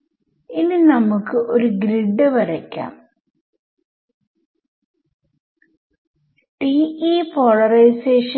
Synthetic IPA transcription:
ininɐmukːɨʔo̞ɾuɡɾiɖːɨʋɐɾɐkʲːa̰ːm | ʈiiːpoːɭɐrɐjseːʂɐ

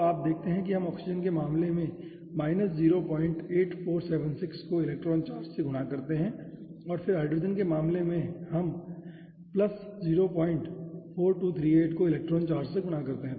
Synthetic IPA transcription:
aːp̚d̪eːk̚ʰt̪eɦɛ̃k̬iɦɐmɔːksɪd͡ʒənkemaːmlemẽ | maːɪnəsziːɾopɔːɪ̃ɳʈeːʈfoːɾsɛːʋənsɪkskoɪlɛːk̚ʈɾɔːnt͡ʃaːɾd͡ʒseɡʱʊɽakɐɾt̪eɦɛ̃ɔːɾfɪɾaːɪɖɾɪd͡ʒənkemaːmlemẽhɐm | plɐsziːɾopɔ̃ːɪ̃ɳʈfʰoːɾʈuːt̪ʰɾiːeːʈkoɪlɛːk̚ʈɾɔːnt͡ʃaːɾd͡ʒseɡʱʊɽakɐɾt̪eɦɛ̃

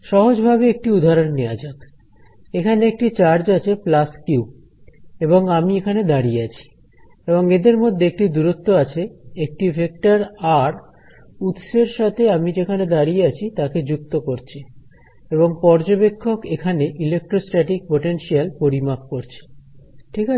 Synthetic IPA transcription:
ʃɔɦod͡ʑbʱabeek̚ʈiud̪ʱaɾonːead͡ʑat̪ | ekʰaneek̚ʈit͡ɕaɾd͡ʑat͡ɕʰeplaskju | eboŋamiekʰaned̪aɾijeat͡ɕʰi̥ | eboŋed̪eɾmod̪ʱːeek̚ʈid̪uɾot̪ːoat͡ɕʰeek̚ʈibʱek̚ʈaɾaɾ | ut̪ʃeɾʃat̪ʰeamid͡ʑekʰaned̪aɾieat͡ɕʰit̪aked͡ʑuk̚t̪okoɾt͡ɕʰi | eβoŋpɔɾd͡ʑobekʰːokekʰaneʔilek̚ʈɾosʈɾɛʈik̚poʈenʃialpoɾimak̚koɾt͡ɕʰi̥ʈʰika

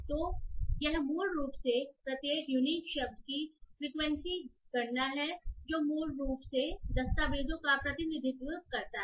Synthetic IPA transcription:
t̪oːjɐɦmuːlɾuːpsepɾɐt̪eːkjunikʃɐb̚d̪kifɾiːkʋɛ̃nsikɐɾnaɦɛd͡ʒoːmuːlɾuːpsed̪ɐst̪aːʋeːd̪õkapɾɐt̪ɪnɪd̪ʱɪt̪ɾuːp̚kɐɾt̪aɦɛ

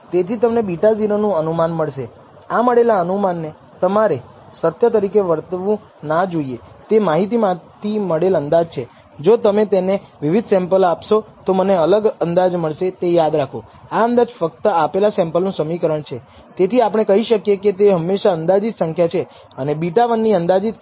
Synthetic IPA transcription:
t̪et̪ʰit̪əmnebiʈad͡ʒinənũənumanməɭʃe | aməɽelaənumanːe | t̪əmaɾe | sət̪jət̪əɾikeʋəɾt̪ʋũ | nad͡ʒoie | t̪emaɦit̪̬imãt̪ʰiməɽelənd̪ad͡ʒt͡ʃʰe | d͡ʒot̪əmet̪eneʋɪʋid̪ʱsɛ̃mpəlapʃot̪oməneələɡənd̪ad͡ʒməɭʃet̪ejad̪ɾakʰo | aənd̪ad͡ʒfək̚t̪əapelasɛ̃mpəlnũsəmikəɾəɳt͡ʃʰe | t̪et̪ʰiapɽ̃ekəɦiʃəkjeket̪eɦəmːeʃaənd̪ad͡ʒit̪səŋkʰjat͡ʃʰe | ənebiʈaʋənːiənd̪ad͡ʒit̪̚

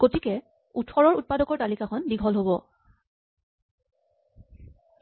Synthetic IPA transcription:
ɡ̥otikɛ | utʰɔɹɔɹut̚padɔkɔɹtalikakʰɔndiɡʱɔlɦobɔ

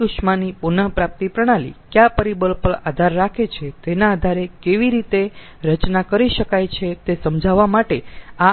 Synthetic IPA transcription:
uʃmanipunəpɾap̚t̪ipɾəɽ̃alḭkjapəɾibəlpəɭad̪ʱaɾːakʰet͡ʃʰet̪enaːd̪ʱaɾekeʋiɾit̪e | ɾət͡ʃnakəɾiʃəkajt͡ʃʰet̪esəmd͡ʒʱaʋamaʈea

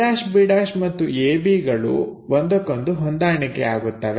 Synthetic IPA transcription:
aːʃbiɽaːʃmɐt̪ːueːbiːɡɐɭṵʋond̪ɐkːond̪uɦond̪aːɳikːḛaːɡut̪ːɐʋe

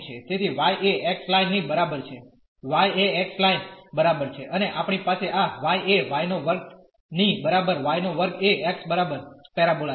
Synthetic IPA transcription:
t͡ʃʰet̪et̪ʰiʋajʔeʔɛkslainːibəɾabəɾt͡ʃʰe | ʋajeɛkslajnbəɾabəɾt͡ʃʰeʔəneʔapɳipaseʔaʋajeʋajnoʋəɾk | nibəɾabəɾʋajnoʋəɾkeɛksbəɾabəɾpɛɾabola

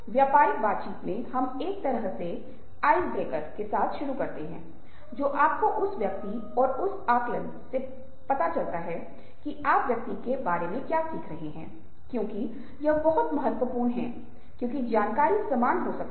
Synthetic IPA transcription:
ʋjaːpaːɾɪk̚baːt̪̚t͡ʃiːt̪mẽhɐmeːk̚t̪ɐɾəɦse | aːɪzbeːkəɾkesaːt̪ʰʃʊɾukɐɾt̪eɦɛ̰̃ː | d͡ʒoːʔaːp̚koʔʊsʋjɐk̚t̪i | ɔːɾʊsaːklə̃nd̪se | pɐt̪at͡ʃɐlt̪aɦɛ | kiʔaːpʋjɐk̚t̪ikebaːɾemẽkjaːsiːkʰɾɐɦeɦɛ̃ː | kjõːki | jɐɦbɐɦʊt̪mɐɦət̪wəpuːɾɳɦɛ̰̃ | kjõːk̬id͡ʒaːnkaːɾisɐmaːnɦosɐk̚t̪

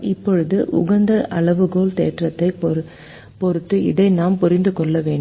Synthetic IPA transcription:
ɪpːɔɻɯðɯʔʊ̰ɣɐnd̪ɐʔɐɭɐʋɯɡoːlt̪ḛːʈrɐt̪ːɐɪ | pɔɾɯt̪ːɯɪðɐɪnaːmpʊɾɪnd̪ɯkɔɭːɐʋeːɳɖ

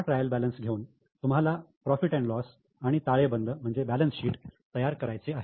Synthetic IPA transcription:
aʈɾajəlbælənsɡʱeuːn | t̪um̤alapɾɔfiʈɛ̃ɳʈlɔs | aɽ̃it̪aɭebənd̪əm̤əɳd͡zebælənsɕiːʈt̪əjaɾkəɾajt͡seaɦe

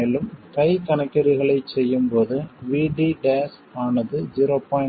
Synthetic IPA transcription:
elɯmkɐɪkɐnɐkːɐɾɪɣɐɭɐɪsɛjːɯmpoːðɯʋiːɖiɖeːs | aːnɐðɯd͡ʒɪɾopːaː

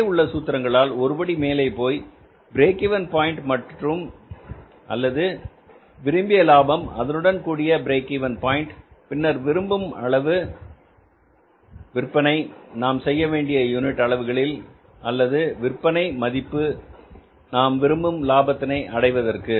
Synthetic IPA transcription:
ʊɭːɐsuːt̪ːɪɾɐŋɡɐɭaːlɔɾɯbɐɽimeːlɐɪpːoːj | bɪɾeːkɪʋɐnpaːjɪɳʈmɐʈrɯm | ʔɐ̰lːɐðɯ | ʋɪɾɯmbɪjɐlaːbɐmɐ̰ðɐnɯɽɐnkuːɽɪjɐbɪɾeːkɪʋɐnpaːjɪɳʈpɪnːɐɾʋɪɾɯmbɯmɐ̰ɭɐʋɯ | ʋɪrpːɐnɐɪnaːmsɛjːɐʋeːɳɖɪjɐjuːnɪʈːɐɭɐʋɯɣɐɭɪl | ɐlːɐðɯʋɪrpːɐnɐɪmɐðɪpːɯ | naːmʋɪɾɯmbɯmlaːbɐt̪ːɪnɐɪʔɐɽɐɪʋɐðɐrkɯ

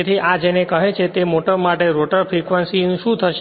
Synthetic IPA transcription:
et̪ʰiʔad͡ʒenekəɦet͡ʃʰet̪emoʈəbmaʈeɾoʈəɾfɾikʋənsinʃũt̪ʰəʃ

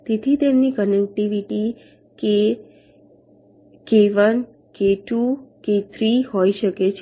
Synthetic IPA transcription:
t̪et̪ʰit̪emnikənek̚ʈiʋiʈi | ke | keʋən | keʈuket̪ʰɾiɦojʃəket͡ʃʰ

